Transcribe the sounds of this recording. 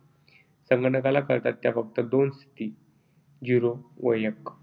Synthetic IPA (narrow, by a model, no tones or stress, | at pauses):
səŋɡəʈəkalakəɾt̪at̪ːjafəɡ̚t̪əd̪onst̪ʰi̥t̪iː | d͡ʑuɾoʋəjək